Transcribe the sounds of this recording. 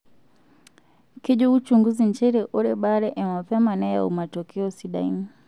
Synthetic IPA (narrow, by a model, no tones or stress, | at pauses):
kiʄɔut͡ʃuŋɡuziɲt͡ʃɛɾɛʔɔɾɛɓaɾɛʔɛmapɛmanɛja̰ṵmatɔkɛɔsiɗa̰ḭni